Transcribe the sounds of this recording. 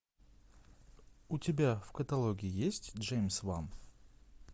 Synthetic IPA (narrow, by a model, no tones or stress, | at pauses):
ʊtʲɪbʲafkət̪ɐlˠo̞ɡʲɪjɪjesʲtʲʐejmʲsvam